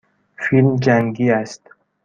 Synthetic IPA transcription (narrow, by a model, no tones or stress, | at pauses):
filmd͡ʒæŋɡiːæst̪